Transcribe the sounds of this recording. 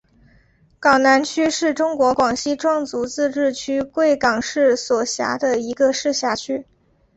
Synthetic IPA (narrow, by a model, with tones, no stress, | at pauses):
kɑ˨˩ŋna˧˥nt͡ɕʰy˥ʂɻ̩˥˩ʈ͡ʂʊ˥ŋkwɔ˧˥kwɑ˨˩ŋɕi˥ʈ͡ʂwɑ˥˩ŋt͡su˧˥t͡sɹ̩˥˧ʈ͡ʂɻ̩˥˩t͡ɕʰy˥kwe˥˩ɪkɑ˨˩ŋʂɻ̩˥˩swɔ˨˩ɕja̰˧˥d̪ə˧i˧˥ɡə˧ʂɻ̩˥˧ɕja˥˩t͡ɕʰy˥